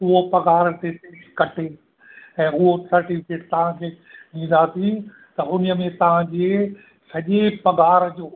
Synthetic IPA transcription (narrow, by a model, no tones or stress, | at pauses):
ʊɦopɐɡaːɾt̪eteːʃkɐʈeː | ɛ̃ːʊɦosɐɾʈɪfɪkeːʈt̪ɐʋ̤ãkʰeː | ɗĩːn̆d̪atĩ | t̪ɐʊnəmẽt̪ɐʋ̤ãd͡ʑe | sɐʄepɐɡaːɾd͡ʑoː